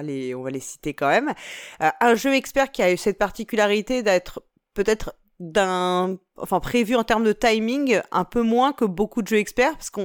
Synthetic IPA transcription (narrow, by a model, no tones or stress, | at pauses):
aleɔ̃valesi̥t̪ekɑ̃mɛmøʔɛ̃ʒøɛkspɛʁkʲiaysɛt̪̚paʁt̪ikʲylaʁit̪ed̪ɛt̪χ | pøt̪ɛt̪χ | d̪ɛ̃ | ɑ̰̃fɛ̃pχevyɑ̃t̪ɛʁmd̪ət̪ajmĩŋɡɛ̰̃pømwɛ̃kəbokud̪əʒøɛkspɛʁpḁʁsə̥kɔ̃